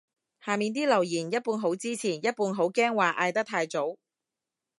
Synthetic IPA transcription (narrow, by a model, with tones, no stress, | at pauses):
haː˨˩miː˨˧nt̪iː˥lɐ˨˩wjiː˨˩njɐ˥t̚puː˧nɦo˨˥wt͡siː˥t͡sʰiː˨˩njɐ˥t̚puː˧nɦo˨˥wkɛː˥ŋwaː˨˩ʔaː˧jt̪ɐ˥k̚t̪ʰaː˧jt͡so˨˥w